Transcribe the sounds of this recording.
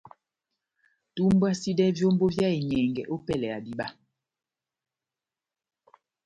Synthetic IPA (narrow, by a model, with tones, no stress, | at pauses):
tu˦m˦ba˦si˦dɛ˦vjo˦m˦bo˦vja˦e˨ɲɛ˨ŋɡɛ̰˨ʔo˦pɛ˦lɛ˨a˨di˦ɓa˦